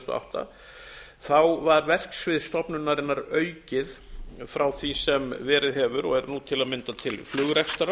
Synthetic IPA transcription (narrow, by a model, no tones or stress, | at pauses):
t̪ɔ̰a̰wht̪a̰ | θawvaɾvɛr̥ksvɪðst̪ɔpnʏnːaɾɪnːaɾœːɥcɪðfɾawθvisɛmvɛːɾɪðɦɛːvʏɾɔ̰ɣɛɾnut̪ʰɪlaðmɪnt̪at̪ʰɪlflʏːɣʏɾɛkst̪aɾa